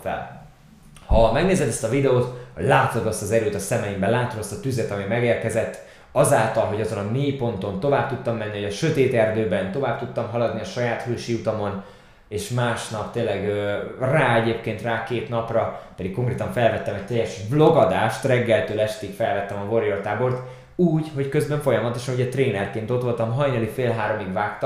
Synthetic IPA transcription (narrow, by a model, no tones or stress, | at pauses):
ɛ̰l | hɒmɛɡneːzɛd̪ɛst̪ɒvid̪ɛoːt̪hoɟlaːt̪ːod̪ɒst̪ɒzɛɾøːt̪ɒsɛmɛimbɛlaːt̪ːod̪ɒst̪ɒt̪yzɛt̪ɒmimɛɡeːrkɛzɛt̪ː | ɒzaːlt̪ɒlɦo̞ɟɒzo̞nɒmijpo̞nt̪o̞nt̪o̞vaːbt̪ut̪ːɒmːɛnːihoɟɒʃø̞t̪eːt̪ɛrd̪øːbɛnt̪o̞vaːb̚t̪ut̪ːɒmɦɒlɒd̪niɒʃɒjaːt̪høːʃiːut̪omo̞n | eːʃmaːʃnɒp̚t̪eːnlːɛɡøːraːɛɟeːpkeːnt̪raːkeːt̪nɒprɒpɛd̪ikːo̞ŋkreːt̪ɒɱfɛlvɛt̪ːɛmɛc̚t̪ɛjːɛʃblo̞ɡɒd̪aːʃt̪rɛɡːɛlt̪øːlɛʃt̪ikfɛlvɛt̪ːɛmɒvo̞ɾijort̪aːbo̞rt̪ | uːɟho̞ckøzbɛɱfo̞jɒmɒt̪o̞ʃɒnuɟɛt̪reːnɛrkeːnt̪o̞t̪ʋo̞lt̪ɒmɦɒjnɛlifeːlɦaːɾo̞miɡvaːkt̪